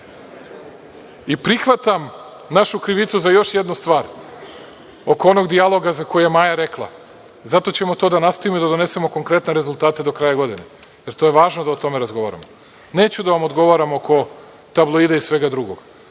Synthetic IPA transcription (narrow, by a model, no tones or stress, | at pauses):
ipɾixʋat̪am | naʃukɾiʋit̪suzajo̞ʃjed̪nust̪ʋaːɾ | o̞ko̞o̞noɡd̪ialˠo̞ɡazakojujemajaɾe̞klˠa̰ | zat̪o̞t͡ɕemo̞t̪od̪anast̪oʋimod̪ad̪o̞ne̞se̞mo̞ko̞ŋkɾe̞t̪ne̞ɾe̞zulˠt̪aːt̪ed̪o̞kɾajaɡo̞d̪ineje̞ɾt̪oje̞ʋaːʒnod̪aot̪o̞me̞ɾazɡo̞ʋaɾa̰mo | ne̞ːt͡ɕud̪aʋamo̞d̪ɡo̞ʋaɾamoko̞ | t̪ablˠoid̪aisʋe̞ɡad̪ɾuɡo̞ɡ̥